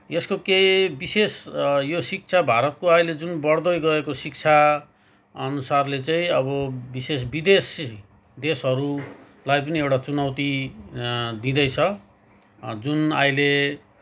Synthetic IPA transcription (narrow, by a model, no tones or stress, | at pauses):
jeskokebisesjosik̚t͡sʰabʱaɾʌt̪̚koajled͡zunbʌɽd̪ʌjɡʌekosik̚t͡sʰa | ʌnusarlet͡saĩʌβʌbises̬bid̪es | d̪esɦʌɾu | lajpʌniewʈat͡sunʌwt̪i | d̪ĩd̪ʌjt͡sʰʌ | d͡zuna̰ile